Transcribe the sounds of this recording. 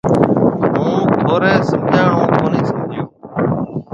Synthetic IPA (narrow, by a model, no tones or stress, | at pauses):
mũːt̪ʰoːɾeːsəmd͡ʒʱaːɳõːkoːniːsəmd͡ʒʱɪjoː